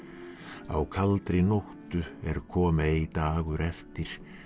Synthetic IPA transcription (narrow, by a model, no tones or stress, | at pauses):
a̰wkʰalt̪ɾɪnoht̪ʏɛɾkʰɔːmaejt̪aːɣʏɾɛft̪ɪɾ̥